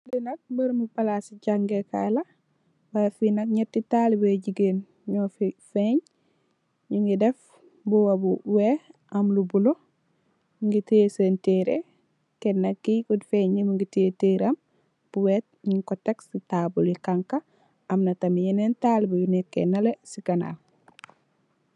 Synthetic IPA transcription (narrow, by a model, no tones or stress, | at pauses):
linɐk̚bəɾmupalasiɟaŋɡeka̰jla | wafinɐkɲetːitalibɟiɡen | ɲofifeɲ | ɲiŋɡidef | buwabuwe | ɐmlubulo | ŋɡitesenteɾḛ | kenːɐkːikudfeɲːimuŋɡititeɾɐm | b̥uwet̚ɲiŋkoteksitabulikaŋka | ɐmnɐtɐmijenentalibujunekːḛnːalesikana̰